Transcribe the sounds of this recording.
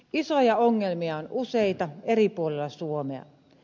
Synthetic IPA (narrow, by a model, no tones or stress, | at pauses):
isojɑoŋːelmiɑonʔuseit̪ɑeripuolelːɑsuomeɑ̰